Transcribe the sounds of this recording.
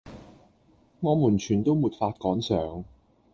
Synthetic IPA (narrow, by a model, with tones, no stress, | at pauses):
ŋɔː˨˧muː˨˩nt͡ʃʰyː˨˩nt̪o˥wmuː˨˩t̚faː˧t̚kɔː˨˥ŋsœː˨˧ŋ